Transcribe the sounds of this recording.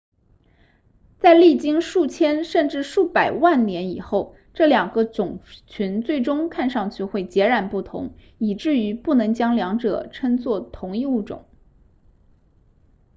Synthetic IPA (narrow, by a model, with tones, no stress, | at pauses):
t͡sa˥˧ɪli˥˩t͡ɕi˥ŋʂu˥˩t͡ɕʰjɛ˥nʂə˥˧nʈ͡ʂɻ̩˥˧ʂu˥˩pa˨˩ɪwa˥˩nnjɛ˧˥ni˨˩xo˥˩ʊ | ʈ͡ʂɤ˥˩ljɑ˨˩ŋɡə˧˦t͡sʊ˨˩ŋt͡ɕʰi˧˥nt͡swe˥˩ɪʈ͡ʂʊ˥ŋkʰa˥˧nʂɑ˥˧ŋt͡ɕʰy˥˧xwe˥˩ɪt͡ɕjɛ˧˥ɻa˨˩npu˥˩t̪ʰʊ̰˧˥ŋ | i˨˩ʈ͡ʂɻ̩˥˩y˧˥pu˥˩nɤ˧˥ŋt͡ɕjɑ˥ŋljɑ˧˥ŋʈ͡ʂɤ̰˨˩˦ʈ͡ʂʰə˥nt͡swɔ˥˩t̪ʰʊ˧˥ŋi˥˧u˥˩ʈ͡ʂʊ̰˨˩˦ŋ